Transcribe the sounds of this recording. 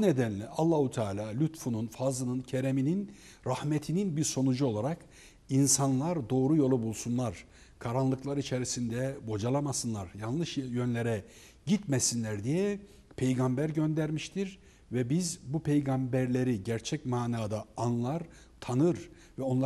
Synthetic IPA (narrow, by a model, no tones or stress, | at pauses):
ned̪ænlʲɛalˠːaːhut̪ʰaːlʲaːlʲyt̪fununfazˠɯnɯncʰeɾeminin | ɾahmet̪ʰininbiɾso̞nud͡ʒuo̞lˠaɾak | insanlˠaɾd̪o̞ːɾujo̞lˠubulˠsunlˠaɾ̥ | kʰaɾanlˠɯklˠaɾit͡ʃʰeɾisind̪ɛbo̞d͡ʒalˠamasɯnlˠaɾjanlˠɯʃjønlʲe̞ɾɛ | ɟit̪mɛsinlʲæɾd̪ijɛ | pʰe̞jɡambæɾɟønd̪æɾmiʃt̪ʰiɾ | vɛbizbupʰe̞jɡambæɾlʲe̞ɾiɟæɾt͡ʃʰɛcmaːnaːd̪aːnlˠaɾ | t̪ʰanɯɾ | vɛo̞nlˠa